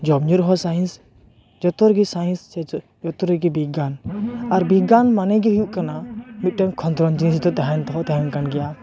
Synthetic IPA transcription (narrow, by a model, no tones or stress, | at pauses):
d͡ʒɔbɲuɾɦɔsajɛns | d͡ʒɔt̪ɔɾɡisajɛ̃nsɛ | d͡ʒɔt̪ɔɾɛɡibiɡanaɾbiɡanmanɛɡɛɦujuʔkanamit̪̚ʈɔŋkʰɔnt̪ɾɔnd͡ʒinst̪ɔt̪ɛɦant̪ɔɦɔt̪ɛɦɛnkanɡɛja